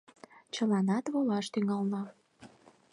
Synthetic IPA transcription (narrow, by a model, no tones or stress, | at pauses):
t͡ɕəlɑnɑt̪βolɑʃt̪yŋɑlnɑ